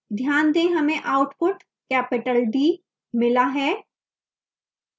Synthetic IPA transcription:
d̪ʱjaːnd̪ẽɦɐmẽʔaːʊʈpʊʈ | kɛːpɪʈəlɖ̪iː | mɪlaɦɛː

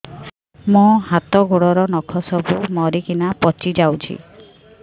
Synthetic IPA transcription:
mũɦat̪ɔɡoɽɔɾɔnɔkʰɔsɔbumɔɾikinapɔt͡ʃid͡ʒawt͡ʃʰḭ

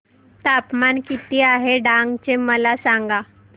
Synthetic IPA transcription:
t̪apmankit̪iːaɦeɖãŋɡt͡ɕeməlasaŋɡa

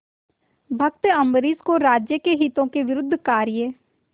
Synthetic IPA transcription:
bʱək̚t̪ɐmbɾiːskoɾaːd͡ʒjəkeɦiːt̪õkeʋɪɾʊd̪ʱːkaːɾɪjə

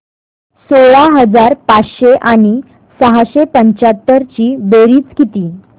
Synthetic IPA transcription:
soɭaɦəd͡zaɾpat͡sɕeʔaɽ̃i | səɦaɕepəɲt͡ɕat̪ːəɾt͡ɕiːbeɾiːt͡skit̪iː

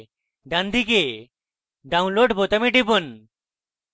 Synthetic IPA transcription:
ɖand̪ʱike | ɖaw̃nloɖbot̪amiʈibon

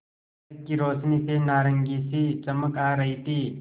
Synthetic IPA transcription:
k̚kiɾoːt͡ʃnisenaːɾəŋɡiːsit͡ʃɐməkaːɾɐɦit̪ʰiː

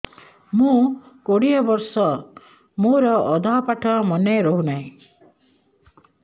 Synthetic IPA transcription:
mũkoɽijɔbɔɾsɔ | moɾɔɔd̪ʱaɦpaʈʰɔmɔneɾoɦunaɦĩ

